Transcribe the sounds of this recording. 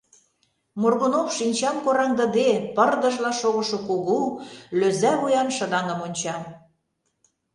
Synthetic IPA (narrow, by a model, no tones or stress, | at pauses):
morɣonofʃinʲt͡ɕɑmkoɾɑŋd̪ə̆d̪epɤrd̪ɤ̆ʒlɑʃoɣɤ̆ʃŏkuɣuløzæβujɑnʃə̆d̪ɑŋə̆monʲt͡ɕɑm